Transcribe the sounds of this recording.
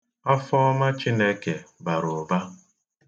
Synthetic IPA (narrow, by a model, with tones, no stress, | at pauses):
ɔ˦fɔ˦ɔ˦ma˦t͡ʃi˦ne˦ke˨ba˨ɾo˨ba˦